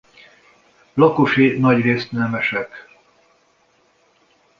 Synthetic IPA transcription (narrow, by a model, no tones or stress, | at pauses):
lɒkoʃinɒɟreːst̪nɛmɛʃɛk